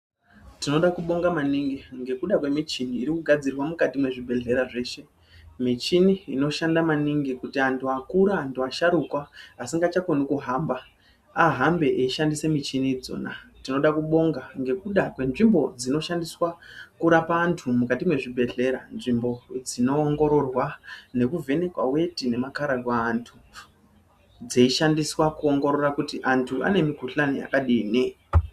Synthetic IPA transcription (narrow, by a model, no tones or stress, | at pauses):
tino̞ɗakuɓo̞ŋɡamaniŋɡiŋɡe̞kuɗakwe̞mit͡ʃiniːɾikuɡʱad͡zirwamukatimwe̞ʐibʱe̞ɮe̞ɾaʐe̞ːʃe̞ | mit͡ʃiniino̞ʃandamaniŋɡikutiantʰuakuɾaːntʰuaʃaɾukwaːsiŋɡat͡ʃakonikuɦaːmba | aɦambe̞ʔeiʃandise̞mit͡ʃinid͡zo̞̰natino̞ɗakuɓo̞ŋɡaŋɡe̞kuɗakwe̞nʐimbo̞d͡zino̞ʃandiswakuɾapaːntʰumukatimwe̞ʐibʱe̞ɮe̞ɾa̰nʐimbo̞d͡zino̞ːŋɡo̞ɾo̞rwane̞kuvʱe̞ne̞kwa̰we̞tine̞makaɾakwaːntʰu | d͡zeiʃandiswakuo̞ŋɡo̞ɾo̞rakutiʔantʰua̰ne̞miɡʱuɬanija̰kaɗiːne